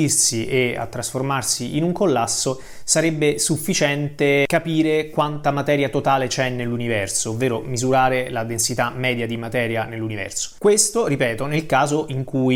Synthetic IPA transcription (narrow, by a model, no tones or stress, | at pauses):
irsiʔea̰t̪ːɾasformarsiinuŋkolːasːo | saɾɛbːesufːit͡ʃɛnt̪ekapiːɾekwant̪amat̪ɛːɾjat̪ot̪aːlet͡ʃɛnːelːunivɛrsoːvːeːɾomizuɾaːɾelad̪ensit̪amːɛːd̪jad̪imat̪ɛːɾjanelːunivɛ̰rso̥kwest̪oɾipɛːt̪onelkaːzoʔiŋkuj